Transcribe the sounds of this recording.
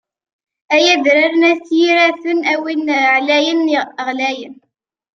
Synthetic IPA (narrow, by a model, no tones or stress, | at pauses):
æjæðɾaɾənæθjiɾæθənæwinʕlæjənʁlæjən